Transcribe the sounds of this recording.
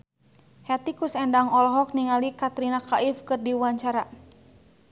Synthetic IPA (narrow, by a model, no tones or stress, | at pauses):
hɛt̪ikusɛndaŋɔlɔɦɔk̚niŋalikat̪ɾinakaʔifkɨrdiwaɲt͡ʃaɾa